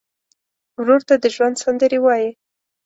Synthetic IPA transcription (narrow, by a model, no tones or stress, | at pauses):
wɾoɾt̪ad̪əʒwand̪sand̪əɾewɑji